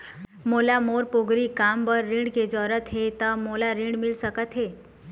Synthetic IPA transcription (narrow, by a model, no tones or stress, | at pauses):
moːlamoːɾpoɡɾikaːmbəɾːĩɳɖked͡ʒɔːɾət̪ɦet̪əmoːlaɾĩɳɖmɪlsəkət̪ɦeː